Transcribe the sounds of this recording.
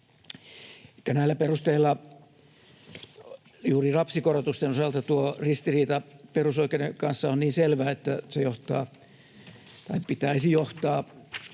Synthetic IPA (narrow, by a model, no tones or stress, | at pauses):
ekːænæilːæperust̪eilːɑ | juːrirɑpsikorot̪ust̪enosɑlt̪ɑt̪uorist̪iriːt̪ɑperusoikedeŋkɑnsːɑonniːnselʋæːet̪ːæsejoht̪ɑː | t̪ɑipit̪æisijoht̪ɑː